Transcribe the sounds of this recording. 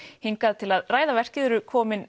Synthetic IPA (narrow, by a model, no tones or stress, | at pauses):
hiŋkaðt̪ʰɪlaðraːjðavɛr̥cɪðʏɾʏkʰɔːmɪn